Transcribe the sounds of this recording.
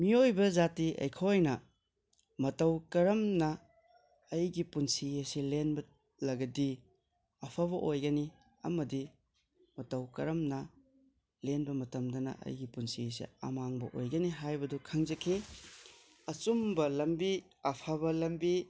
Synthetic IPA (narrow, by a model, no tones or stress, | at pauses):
miojbɐzatiʔɐ̰jkʰojnɐ | mɐtɐwkɐɾɐmnɐː | jɡipunsieselenbɐ | lɐɡɐdi | ɐpʰaβɐʔojɡɐni | ɐ̰mɐdi | mɐtɐwkɐɾɐmnɐ | lenbɐmɐtɐmdɐnɐ̰ʔɐ̰jɡipunsisḛɐ̰maŋbɐ̰ʔo̰jɡɐniɦajbɐdukʰɐŋzɐkʰi | ɐt͡ʃumbɐlɐmbi | ɐpʰaβɐlɐmbi